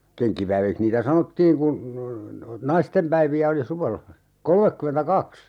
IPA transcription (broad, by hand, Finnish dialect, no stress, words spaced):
keŋkːipæiʋikh niːtæ sɑnotːiːŋ kun nɑistempæiʋiæ oli suʋelːɑ kolmekːymentækɑks